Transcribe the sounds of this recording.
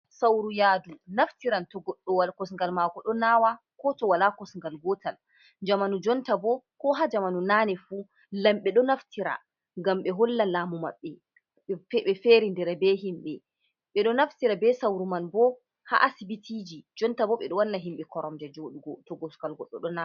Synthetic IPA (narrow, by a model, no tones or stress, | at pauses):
sawɾujaːdunaftiɾantɔɡɔɗːɔwalkɔs̬ŋɡalmaːɡɔɗɔnaːwa | kɔtɔwalakɔsŋɡalɡɔtal | d͡ʒamanud͡ʒɔntabɔkɔɦad͡ʒamanunaːnɛfu | lamɓɛɗɔnaftʰiɾa̰ | ŋɡamɓɛɦɔlːalaːmuma̰ɓːɛ | ɛɓɛfeɾindɛɾɛbɛɦimɓɛ | ɓɛɗɔnaftiɾabɛsawɾumanbɔ | ha̰ʔasibitʰid͡ʒid͡ʒɔntabɔɓɛɗɔwanːaɦimɓɛkɔɾɔmdɛd͡ʒɔɗuɔtɔɡɔsŋɡalɡɔɗːɔɗɔna